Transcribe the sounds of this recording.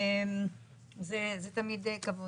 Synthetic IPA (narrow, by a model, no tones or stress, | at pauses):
m | zezet̪amid̪ekavo